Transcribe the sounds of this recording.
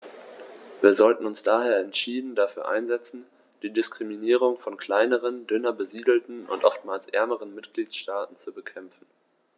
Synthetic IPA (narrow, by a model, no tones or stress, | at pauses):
viːɐzɔltn̩ʊnsd̥aːheːɐɛntʃiːdn̩dafyːɐʔa̰ɪnzɛt͡sn̩ | d̥iːdɪskʁ̥iminiːʁ̞ʊŋfɔnkʰl̥aɪnəʁəndʏnɐbəziːdl̩tn̩ʔʊ̰ntʔɔ̰ftmaːlsʔɛɐməʁənmɪtɡ̥liːtʃtaːtn̩t͡subəkʰɛmfn̩